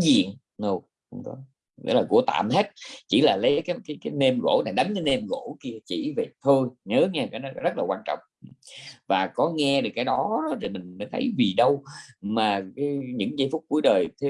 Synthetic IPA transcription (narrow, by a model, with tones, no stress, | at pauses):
zḭ˧˨əŋ | no˧˩ | xə˧wŋ͡mkɔ̰˨˦ | zə̰˧˦˥laː˨˩ṵ˧˩ət̪a̰ː˧˨mɦe˦˥t̚t͡ɕḭ˧˩laː˨˩lə˨˦jkaː˨˦jkaː˨˦jkaː˨˦jne˧mɣo̰˧˥naː˨˩ɗa˨˦jŋ̟kaː˨˦jne˧mɣo˧˥ki˧ət͡ɕḭ˧˩ve˨˩t̪ʰo˧jɲəː˨˦ɲaː˧kaː˨˦jnɔ˨˦˨zə˦˥t̚laː˨˩kwaː˧nt͡ɕɔ̰˧˨wŋ͡mʔvaː˨˩kɔ˨˦ŋɛ˧ɗɨ˨˩kːaː˨˦jɗɔ˨˦ɗɔ˨˦ze˨˩mï˨˩ŋ̟məː˨˦jt̪ʰə˨˦jvi˨˩ɗə˧wmaː˨˩kaː˨˦ɲɨ̰˧˥ŋzḭ˧˥˦fʊ˦˥k͡p̚ku˧˩əjɗəː˨˩jt̪ʰe˨˦